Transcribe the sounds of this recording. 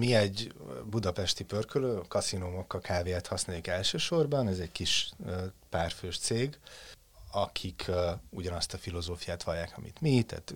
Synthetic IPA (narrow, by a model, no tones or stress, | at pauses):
miɛɟbud̪ɒpɛʃt̪ipørkøløːkɒsinoːmokːɒkʰaːveːɛt̪hɒsnaːjikɛlʃøːʃo̞rbɒnɛzɛɟkiʃøpaːrføːʃt̪seːɡ | ɒkʰikʰuɟɒnɒst̪ɒfilo̞zoːfijaːt̪ʋɒljaːkɒmḭt̪mit̪a̰ːt̪